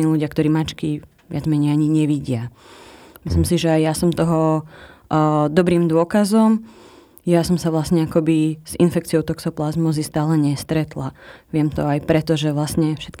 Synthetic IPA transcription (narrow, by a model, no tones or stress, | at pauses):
iːluɟɪakt̪ɔɾiːmat͡ʃki | ʋɪad͡zmɛɲɛɪaɲiɲɛʋiɟɪa | mislimsiʒɛajjasɔmt̪ɔɦɔ | d̪ɔbɾiːmd̪ʊɔkazɔm | jasɔmsaʋlasɲɛakɔbiz̥ḭnfɛk̚t͡siɔʊt̪ɔksɔplazmɔzist̪aːlɛɲɛst̪ɾɛt̪laʋɪɛmt̪ɔ̰ajpɾɛt̪ɔʒɛʋlasɲɛfʃɛt̪̚k